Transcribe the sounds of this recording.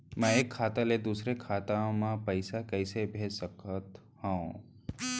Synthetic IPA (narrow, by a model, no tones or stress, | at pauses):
mɛ̃eːkʰːaːt̪aled̪uːsɾekʰaːt̪ãmãpəɪsakəɪsebʱeːsəkət̪ | hãõ